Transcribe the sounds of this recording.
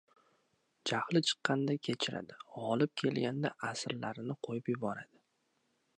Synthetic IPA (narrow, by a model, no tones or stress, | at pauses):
d͡ʒahlɪt͡ʃʰɨ̥qːɑnd̪akʲʰe̞t͡ʃʰɪɾa̰d̪ɪɒlˠɪp̚kʲʰe̞lɡʲand̪aʔasɾlaɾɪnɪqʰojɪpjʊbɒɾad̪̥ɪ